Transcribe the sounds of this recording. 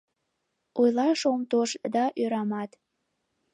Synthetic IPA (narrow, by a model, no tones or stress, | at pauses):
ojlˠɑʃomt̪oʃd̪ɑʔøɾɑmɑt̪